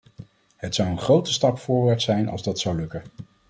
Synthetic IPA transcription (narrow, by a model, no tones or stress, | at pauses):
ɦətsʌwənχrowtə̥stɑpfʊːɹʋaːɹtsɛjnɑ̰lzdɑtsɑwlɵkə